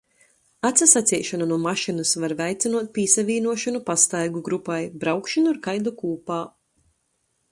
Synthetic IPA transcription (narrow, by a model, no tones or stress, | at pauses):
at̪sasat̪sʲijʃananuɔmaʃinɨsvaɾvɛjt̪sinuɔt̪̚pʲiːsavʲiːnuɔʃanupast̪ajɡuɡɾupajbɾawkʃanuɾkajd̪lˠukuːpaː